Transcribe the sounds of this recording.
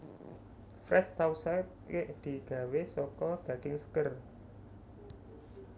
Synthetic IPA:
fɾɛsːawsajp̚kɪʔd̪̥i̤ɡ̥ä̤wesɔkɔb̥ä̤ɡ̥ɪŋsə̥kər

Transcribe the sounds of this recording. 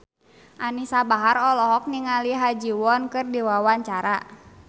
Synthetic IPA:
ʔanisabaɦaɾɔlɔɦɔk̚niŋaliɦad͡ʒiwɔnkɨrdiwawaɲt͡ʃaɾa

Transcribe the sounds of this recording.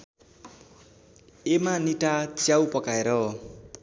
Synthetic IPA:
emaniʈat͡sjawpʌkaeɾʌ

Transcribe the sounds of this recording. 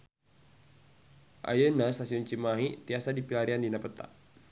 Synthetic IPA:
ʔa̰jənasasiunt͡ʃimaɦit̪iasadipilaɾiandinapət̪a̰ʔ

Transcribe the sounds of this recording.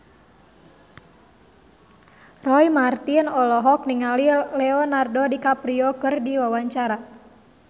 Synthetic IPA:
rɔimart̪inɔlɔɦɔk̚niŋalilɛɔnardɔdikapɾiɔkɨrdiwawaɲt͡ʃaɾa

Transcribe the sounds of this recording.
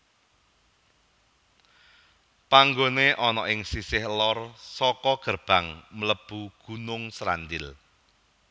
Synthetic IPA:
paŋɡoneʔɔnɔʔɪŋsisɪhlɔrsɔkɔɡ̥ərb̥a̤ŋmələb̥uɡ̥unʊŋsɾa̰nd̪ɪl

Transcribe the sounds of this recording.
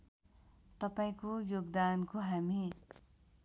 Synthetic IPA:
t̪ʌpaĩkojoɡd̪ankoɦami

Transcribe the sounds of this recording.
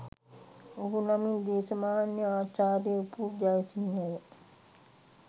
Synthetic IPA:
oɦunamind̪eːsəmaːnjəaːt͡ʃaːɾijəupuːd͡ʒajesinːəjə

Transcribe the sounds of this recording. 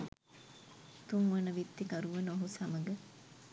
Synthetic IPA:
t̪uŋʋɐnɐʋit̪ːikɐɾuʋenoɦusɐmɐɡɐ

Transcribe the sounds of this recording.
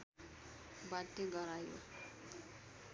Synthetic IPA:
batːeɡʌɾajo̰

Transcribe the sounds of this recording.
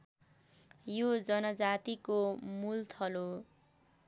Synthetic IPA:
jod͡zʌnʌd͡zat̪ikomult̪ʰʌlo

